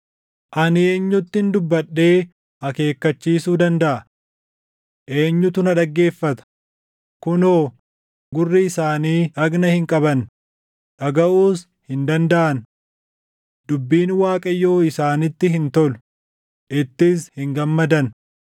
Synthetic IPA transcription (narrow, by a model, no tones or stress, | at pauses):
ʔɐnɪe̞ːɲːʊt̪ːɪɪnd̪ʊbːɐᶑːe̞ː | ɐke̞ːkːɐt͡ʃːiːsuːd̪ɐnd̪ɐʔɐ | ʔe̞ːɲːʊt̪ʊnɐᶑɐɡːe̞ːfːɐt̪ɐ̥ | kʊnoː | ɡʊrːɪɪsaːniːʔɐɡnɐhɪŋkʼɐbɐn | ᶑɐɡɐʔuːs | hɪnd̪ɐnd̪ɐʔɐn | d̪ʊbːiːnwaːkʼɐjːo̞ːɪsaːnɪt̪ːɪɦɪnt̪ɔl | ʔɪt̪ːɪs̬hɪŋɡɐmːɐd̪ɐn